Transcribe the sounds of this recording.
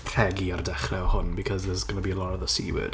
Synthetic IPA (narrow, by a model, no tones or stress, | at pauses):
pʰr̥ɛɡiardɛχrɛɔhʊnbikʰɔzðɛsɡ̥ənabiəlˠɔɾəðəsḭwɪ̰d̥